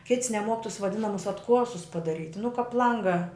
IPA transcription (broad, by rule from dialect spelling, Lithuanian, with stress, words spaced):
kʲɪts nʲɛˈmuɔk tʊs ʋɐˈdʲɪnɐmʊs ɐtˈkuɔsʊs pɐdɐˈrʲiːtʲ nʊ kɐp ˈlˠɐŋɡɐ